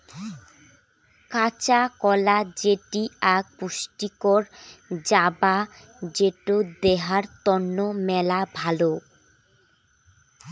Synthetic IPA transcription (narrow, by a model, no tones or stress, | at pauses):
kat͡ɕakɔlad͡ʑeʈiaɡ̚puʃʈikoɾd͡ʑaba | d͡ʑeʈod̪eɦaɾt̪ɔnːomɛlabʱalo